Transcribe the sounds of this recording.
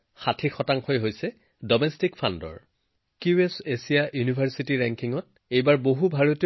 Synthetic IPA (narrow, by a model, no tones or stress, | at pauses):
xatʰixɔtaŋxojɦojsɛ | dɔmɛstikfʰandɔ̰ɹ | kuesesijaʔjunibʱaɹsitiɹɛŋkiŋɔt̚ | ejbaɹboɦubʱaɹoti